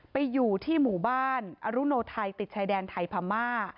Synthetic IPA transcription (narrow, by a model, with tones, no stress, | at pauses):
pa˧jːuː˨˩t̪ʰiː˥˩muː˨˩baː˥˩nʔa˧ɾu˦˥noː˧t̪ʰa˧jt̪i˨˩t̪̚t͡ɕʰaː˧jdɛː˧nt̪ʰa˧jpʰa˧mːaː˥˩